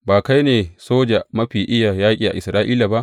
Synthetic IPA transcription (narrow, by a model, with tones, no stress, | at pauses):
baː˨ka˦jneː˨soː˦d͡ʒa˨mɐ˦ɸiː˨ʔɪ˦ja˨jaː˦kʲʼiː˨ʔa̰˨ʔɪ˨sɾaː˦ʔiː˦la˨ba˦ʔ